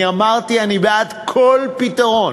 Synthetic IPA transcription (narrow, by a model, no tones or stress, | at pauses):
iamaʁt̪ianibead̪kʰo̞lpit̪aʁo̞n